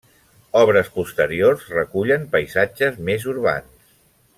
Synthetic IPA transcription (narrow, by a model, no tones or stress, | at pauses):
ɔβɾəspust̪əɾiorzrəkuʎəmpəjzad͡ʒəzmezuɾβa̰ns